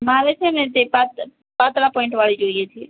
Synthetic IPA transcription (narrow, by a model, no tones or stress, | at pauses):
maːɾet͡ʃʰenet̪epat̪ | pat̪ɾapõɪ̃ɳʈʋaɭid͡ʒoiet͡ʃʰie